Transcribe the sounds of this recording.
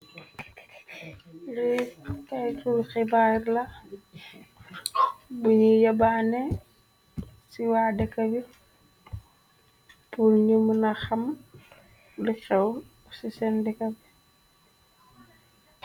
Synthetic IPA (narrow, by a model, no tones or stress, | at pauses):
likɐjtulxibaːrlɐ | buɲijɐbaːnɛ | siwaːdɛkːɐbi | pulɲumunɐxɐm | lixɛw | sisɛndɛkɐbi